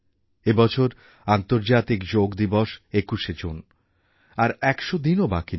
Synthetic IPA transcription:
ebɔt͡ɕʰoɾ | ant̪oɾd͡ʑat̪ikd͡ʑoɡd̪ibɔʃekuʃed͡ʑon | aɾɛkʃod̪inobaki

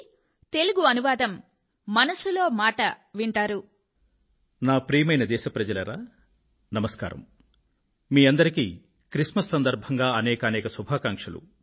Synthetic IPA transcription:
t̪e̞luɡuɐnuʋaːd̪ɐmː | ɐnɐsulo̞ːmaːʈɐʋiɳʈaːɾu | naːpɾiːjmɐjnɐd̪ɛːʃɐpɾɐd͡ʒɐlɐɾaː | nɐmɐska̰ːɾɐ̰m | miːɐnd̪ɐɾikiː | kɾiʂmɐsːɐnd̪ɐɾbʱɐŋɡaːɐnɛːkɐɐnɛːkɐsubʱaːkaːŋkʂɐlṵ

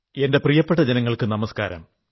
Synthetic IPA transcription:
e̞nde̞prijɐpːeʈːɐd͡ʑenɐŋːɐɭkɨnɐmɐskaːɾɐ̰m

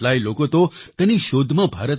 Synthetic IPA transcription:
lailokot̪ot̪əniʃod̪ʱmãbʱaɾət̪

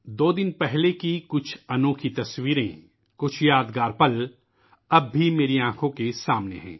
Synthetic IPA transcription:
d̪oːd̪ɪnpɛɦlekikʊt͡ʃʰɐnõːkʰit̪ɐswiːɾḛ̃ | kʊt͡ʃʰjaːd̪ɡaːɾpɐl | ɐbːimeːɾiãːkʰõkesaːmnḛɦɛ̰̃ː

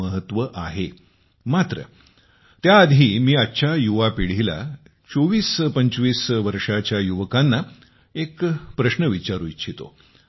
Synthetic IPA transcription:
əɦət̪ʋəʔaɦe | mat̪ɾə̰ | t̪jaːd̪ʱiːmiːaːɕʰajuʋapiɽ̤ila̰ | t͡soʋiːspəɲt͡sʋiːsʋəɾʂat͡ɕjajuʋəkanːa | ekpɾəɕnəʋit͡ɕaɾuit͡ɕʰit̪o̰

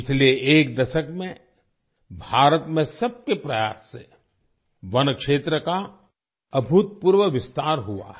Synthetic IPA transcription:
ɪt͡ʃʰlieʔeːk̚d̪ɐʃəkmẽ | bʱaːɾət̪mẽsɐb̚kepɾɐjaːsːe | ʋɐnkʃeːt̪ɾəka | ɐbʱut̪̚puɾʋəʋɪst̪aːɾɦua̰ɦ

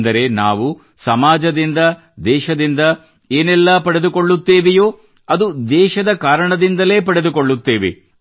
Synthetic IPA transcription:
nd̪ɐɾe̞na̰ːʋu | sɐmaːd͡ʒɐd̪ind̪ɐ | d̪ɛːʃɐd̪ind̪ɐ | eːnɛlːɐpɐɽe̞d̪uko̞ɭːut̪ːeːʋejoː | ɐd̪ud̪ɛːʃɐd̪ɐkaːɾɐɳɐd̪ind̪ɐle̞ːpɐɽe̞d̪ukoɭːut̪ːeːʋḛ

